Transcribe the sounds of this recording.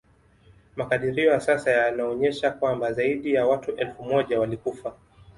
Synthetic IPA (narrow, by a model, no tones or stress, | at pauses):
makaɗiɾiɔjasasajanaɔɲɛʃakwambazaiɗijawatuʔɛlfumɔʄawalikufa